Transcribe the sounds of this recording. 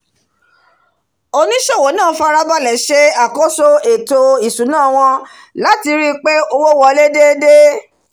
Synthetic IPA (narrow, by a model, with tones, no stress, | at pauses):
o˧nĩ˦ʃe˦˨wo˨˦nãː˦˨˦fa˦ɾa˦ba˦˨lɛ˨˦ʃe˦a˦˨ko˦so˦e˨to˧i˨su˨˦nãː˦˨w̃ɔ̃˧ | la˨˦ti˧ɾi˦k͡pe˦o˧wo˦wɔ˧le˦de˦de˦